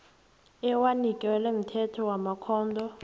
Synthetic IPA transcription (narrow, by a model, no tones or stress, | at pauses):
ɛwanikʼɛɛlem̩tʰɛtʰɔwamakʰɔːndʱɔ